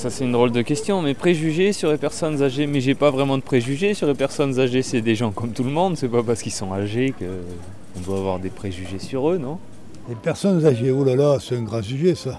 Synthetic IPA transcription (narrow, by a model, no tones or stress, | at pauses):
sasɛt̪ynd̪ʁold̪əkʲɛst̪jɔ̃mɛpχeʒyʒesyʁlepɛʁsɔnzaʒemɛʒepavʁɛmɑ̃d̪əpχeʒyʒesyʁlepɛʁsɔnzaʒesɛd̪eʒɑ̃kɔmt̪ulmɔ̃d̪sɛpapaʁsə̥kilsɔ̃aʒekə | ɔ̃d̪waːvwaʁd̪epχeʒyʒesyʁønɔ̃ | lepɛʁsɔnzaʒeulalasɛɛ̃ɡʁɑ̃syʒesa